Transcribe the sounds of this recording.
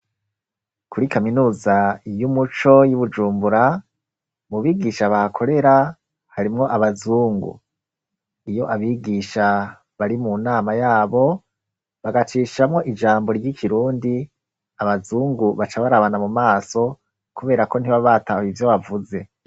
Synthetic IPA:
kuɾikaminuːzajumut͡ʃo̞juβud͡ʒuːmbuɾa | muβiːɡiʃaβahakʰo̞ɾe̞ɾa | haɾimŋo̞ʔaβazuːŋɡṵ | ijo̞ʔaβiːɡiʃa | βaɾimunaːmajaːβo̞ | βaɡat͡ʃiːʃamŋo̞ʔid͡ʒaːmbo̞ɾɟikʰiɾuːndi | aβazuːŋɡuβat͡ʃaβaɾaβanamumaːso̞ | kuβe̞ːɾako̞n̥iβaβatahivjo̞βavuze̞

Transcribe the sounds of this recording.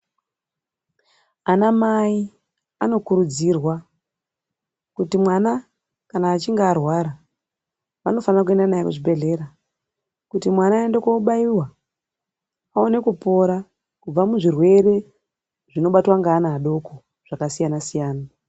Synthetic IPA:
anamai | ano̞kuɾud͡zirwa | kutimwana | kanaːt͡ʃiŋɡaːrwaɾa | ʋano̞fanrak̬ue̞ndanajekuʐibe̞ɮe̞ɾa | kutimwanaːendekouɓaiwa | ao̞ne̞kupo̞ɾa | kub͡vamuʐirwe̞ɾe̞ | ʐino̞ɓatwaŋɡaːnaːɗo̞ko | ʐ̥akasijanasijaːna

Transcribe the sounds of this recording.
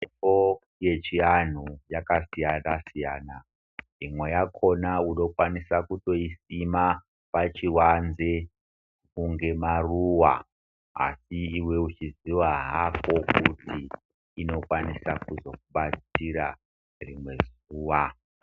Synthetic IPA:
epo | je̞t͡ʃian̤ujakasijanasijaːna | imwe̞jakʰo̞nauno̞kwanisakuto̞isima | pat͡ʃiwanze | kuŋɡe̞maruwa | a̰siiwe̞ut͡ʃiziwaɦako̞kutiː | no̞kwanisakuzo̞kuɓat͡siɾa | rimwe̞z | uːwa

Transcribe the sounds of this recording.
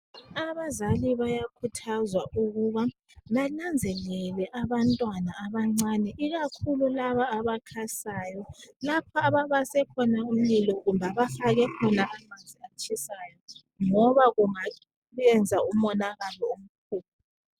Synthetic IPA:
aβazaliβajakʰutʰazwaʔuɣuβa | βanand͡zʱɛlɛlɛʔaβantʼwanaaβaŋ͡ǀanɛʔiɣakʰululaβaːβakʰasaːjɔlapʰɔaβaβasɛkʰɔnaum̩lilɔɣumbʱaβafaɣɛkʰɔnaʔamand͡zʱiat͡ʃʰʼisajɔ | ŋɔβaɣuŋa | ɛnd͡zʱaumɔnaɣalɔom̩kʰuːp̚ʰ

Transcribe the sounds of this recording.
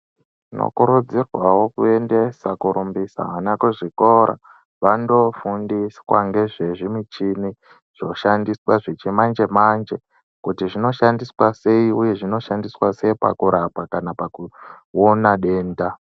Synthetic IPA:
no̰kuɾud͡zirwawo̞kue̞nde̞sakuɾumbisa̰anakuʐikoɾa̰ | ʋando̞fundiswa̰ŋɡe̞ʐe̞ʐimit͡ʃini | ʐ̥o̞ʃandiswaʐit͡ʃimand͡ʒe̞mand͡ʒe̞ | kutiʐino̞ʃandiswase̞iuje̞ʐino̞ʃandiswase̞ipa̰kuɾapwakanapakuonaɗe̞ːnda

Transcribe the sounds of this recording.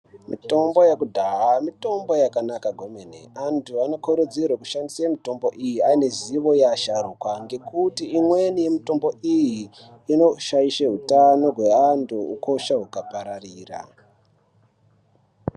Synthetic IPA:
mḭto̞mbo̞jakudʱaɦamito̞mbo̞jakanakaɡʱomenḛantʰuano̞koɾud͡zirwaku̥ʃandisamito̞mbo̞ʔijiaine̞ziʋo̞jaʃarukwaŋɡe̞kutiimwe̞nije̞mito̞mbo̞ijiː | no̞ʃaiʃeɦutano̞ɦwe̞antʰuuko̞ʃaɦukapaɾariːra̰

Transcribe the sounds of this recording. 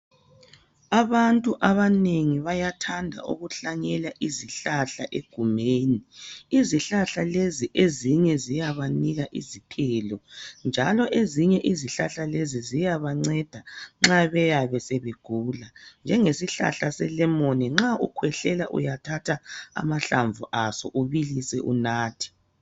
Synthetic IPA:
aβantʼuʔaβaneŋiβajatʰandʱa̰ʔṵɣuɬaɲɛlaʔiziɬaɬaʔeɡ̥ʱumeːniiziɬaɬaleziʔeziɲɛzijaβaniɣaʔizipʰɛlɔnd͡ʒʱalɔʔeziɲɛʔiziɬaɬalezizijaβaŋ͡ǀɛd̥ʱaŋ͡ǁaβɛjaβɛsɛβeɡ̥ʱuːland͡ʒʱɛŋesiɬa̰ɬasɛlɛmoniŋ͡ǁaukʰwɛɬɛlaʔṵjatʰatʰaa̰maɬaɱvuʔasɔ̰ʔuβilisɛʔṵnaːtʰi̥

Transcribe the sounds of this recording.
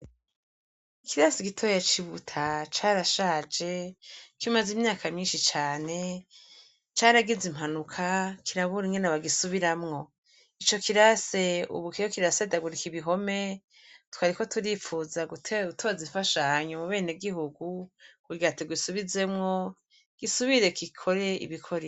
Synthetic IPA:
ikiɾaseɡitʰo̞ːjat͡ʃiβutʰat͡ʃaːɾaʃaːd͡ʒe̞kimazimɲaːkamɲiːnʃit͡ʃaːne̞ | t͡ʃaːɾaɡizim̥anukʰakiɾaβuɾiŋɡenaβaɡisuβiɾamŋo̞ | it͡ʃo̞kiɾase̞ṵβukijokiɾasedaɡuɾikiβiɦo̞me̞ | tu̥kaɾiko̞tuɾifuzaɡutʰeutʰo̞ziɱfaʃahaɲomuβe̞ːneɡiɦuɡukuɡiatiɡwisuβize̞mŋo̞ | ɡ̥isuβiɾe̞kikʰo̞ɾe̞ḭβikʰo̞ɾe

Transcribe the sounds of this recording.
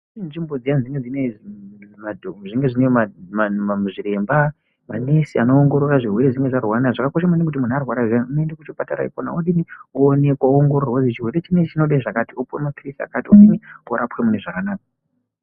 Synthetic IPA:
inʐimbo̞d͡zijanzd͡ziŋɡed͡zine | madʐiŋɡe̞ʐinejmamamuʐiɾe̞mba | mane̞sia̰noːŋɡo̞ɾoraʐirwe̞ɾeʐiŋɡeʐarwanaʐakako̞ʃamanekut̬imun̤uarwaɾaanunoendekut͡ʃopataɾa̰ḭkona̰oɗinioːnekwaooŋɡo̞rorwod͡zit͡ʃirwe̞ɾet͡ʃinet͡ʃinoɗaʐakatiopuwḛmapirisia̰katioɗinioɾapwemune̞ʐakanaːk̚a

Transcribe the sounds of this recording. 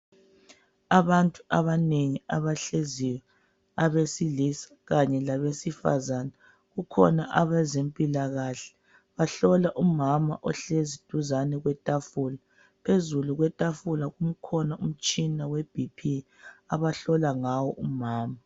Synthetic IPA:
aβantʼuʔaβaneŋiaβaɬeziwɛ | aβesilisḁɣaɲɛlaβesifa̰zanɛ | ɣukʰɔ̰naʔaβɛzempʼilaɣaɬɛ̥ | βaɬɔlaʔumama̰ʔɔɬezid̥ʱuzanɛɣwɛtʼafula | pʰezuluɣwɛtʼafulaɣum̩kʰɔnaum̩t͡ʃʼinaweb̥ʱipʰi | aβaɬɔlaŋawɔʔumaːma

